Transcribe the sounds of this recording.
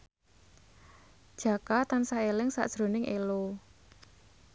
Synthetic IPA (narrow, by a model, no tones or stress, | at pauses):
d̥ʒ̥a̤kat̪ansaelɪŋsa̰ʔd̥ʒ̥ɾo̤nɪŋʔelo